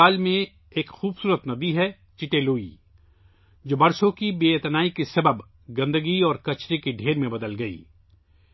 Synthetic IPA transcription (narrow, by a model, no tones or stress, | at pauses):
aːlmẽ | eːkxuːbsuːɾət̪nɐb̪iɦɛ | t͡ʃɪʈeluːḭ | d͡ʒoːbɐɾsõkibeːet̪naːikesɐbəb | ɡɐ̃nd̪əɡiɔːɾkɐt͡ʃɾekeɖʱeːɾmẽbɐd̪əlɡɐḭː